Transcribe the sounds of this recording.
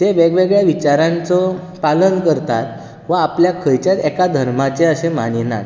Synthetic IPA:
t̪eʋeɡʋeɡɭjaʋit͡ɕaɾãnt͡sɔ | palənkəɾt̪at̪̚ | ʋəapljakʰəjt͡ɕjat̪ɛkad̪ʱəɾmat͡ɕeəsemanina̰

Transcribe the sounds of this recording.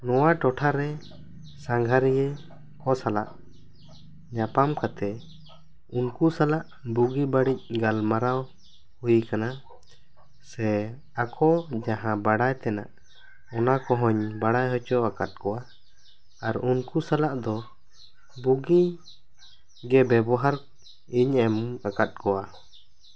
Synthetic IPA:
nɔwaʈɔʈʰaɾɛ | saŋɡʱaɾɛjɛ | kɔsala̰ʔ | ɲapamkat̪ɛ | unkusalaʔ | buɡibaɽic̚ˀɡalmaɾaw | hujkana | sɛ | akʰɔd͡ʒaɦãbaɽajt̪ɛna̰ʔ | ɔnakɔɦɔɲbaɽajɦɔt͡ʃɔakat̪̚kɔwa | aɾunkusalaʔd̪ɔ | buɡi | ɡɛbɛbɔɦaɾ | iɲɛmuakat̪̚kɔwa

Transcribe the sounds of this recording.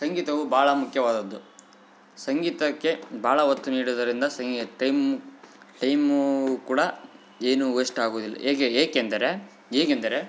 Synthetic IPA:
sɐŋɡiːt̪ɐʋubʱaːɭɐmukʰjɐʋaːd̪ɐd̪ːu | sɐŋɡiːt̪ɐkːe̞bʱaːɭɐɦot̪ːuniːɽud̪ɐɾind̪ɐsɐŋɡʈɐjm | ʈɐjmukuːɽɐ | eːnueʂʈaːɡoːd̪ilːɐ̰eːkeeːkend̪ɐɾe̞ | eːɡend̪ɐɾe̞

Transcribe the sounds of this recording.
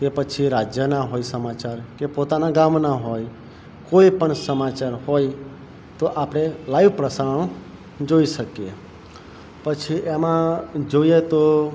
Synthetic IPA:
kepət͡ʃʰiɾad͡ʒjənaɦojsəmat͡ʃaɾkepot̪anaɡamnaɦoj | koipəɳsəmat͡ʃaɾɦoj | t̪oʔapɽ̃elaiʋpɾəsaəɽ̃õ | d͡ʒoiʃəkie | pət͡ʃʰiʔemãd͡ʒoiet̪o

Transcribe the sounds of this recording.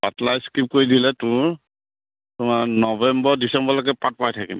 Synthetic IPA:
ba̰tlajskip̚koɹidilɛtʊɹ | tʊmanɔbɛmbɔɹdisɛmbɔlɔkɛpat̚pajtʰakḭm

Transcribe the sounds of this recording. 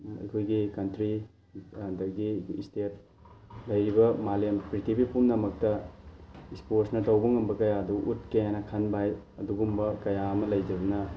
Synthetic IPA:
ɐ̰jkʰojɡikɐntɾi | dɐɡistet̚ | lɐjɾibɐmalempɾitipipumnɐmɐk̚tɐ | isposnɐtɐwbɐŋɐmbɐkɐjaduʔut̚kejanɐkʰanbaj | ɐduɡumbɐkɐjaɐmɐlɐjd͡ʒɐbɐnɐ

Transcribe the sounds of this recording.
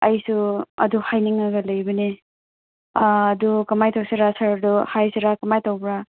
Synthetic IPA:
ɐjsuɐ̰duhajniŋaɡɐlɐjbɐne | aːdukɐmajtawsiɾasaɾɐduhajsiɾakɐmajtawbɾa

